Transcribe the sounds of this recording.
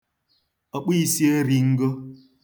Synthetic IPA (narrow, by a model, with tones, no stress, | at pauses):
a˨k͡pi˦si˦e˦ɾi˨ŋ̩˦ɡo˦